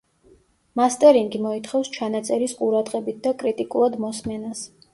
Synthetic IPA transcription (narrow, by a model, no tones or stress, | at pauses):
mast̪ʼɛɾiŋɡimɔit̪ʰχɛfst͡ʃʰanat̪sʼɛɾisqʼuɾad̪ʁɛbit̪̚ʰd̪akʼɾit̪ʼikʼulˠad̪mɔsmɛnas